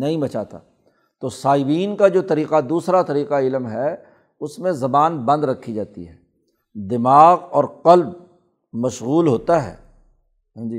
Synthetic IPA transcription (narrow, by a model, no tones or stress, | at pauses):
nɐɦĩbɐt͡ʃaːt̪a̰ː | t̪oːsaːɪbiːnkad͡ʒoːt̪ɐɾiːqad̪uːsɾat̪ɐɾiːqaɪlmɦɛ | ʊsmẽzɐbaːnbɐ̃nd̪ɾɐkʰːid͡ʒaːt̪ḭɦɛː | d̪ɪmaːɣɔːɾqɐlb | mɐʃɣuːlɦoːt̪aɦɛ̰ː | ɦːd͡ʒiː